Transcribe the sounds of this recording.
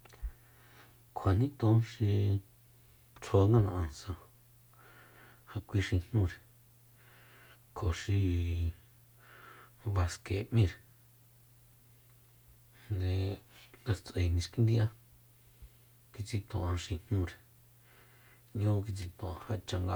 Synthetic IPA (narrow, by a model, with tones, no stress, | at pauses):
kʰa˨nĩ˦t̪õ˧˦ʃi˧ | t͡sʰo˧ŋɡa˦˧nã˧ʔã˧˨n˨sã˧ | ha˧kʷi˧ʃi˧n̥ɲũ˧ɾe˨ | kʰo˨ʃi˧ | βa˧ske˨ʔmĩ˦˧ɾe˨ | nd̪e˧ɡa˧t͡sʔe˨nĩ˧ʂki˧˦nd̪i˦ʔa˦ | ki˧t͡si˧t̪õ˨ʔã˧ʃi˧n̥ɲũ˦˧ɾe˨ | ɲõ˦k̬i˧t͡si˧t̪õ˨ã˧ha˧t͡ʃa˧ŋɡa˧